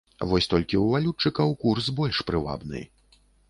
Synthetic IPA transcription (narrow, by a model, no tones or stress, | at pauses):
vɔsʲt̪ɔlʲkʲiwvalʲut͡ʂːɨkɐwkursbɔlʲʂpɾɨva̰bnɨ̰j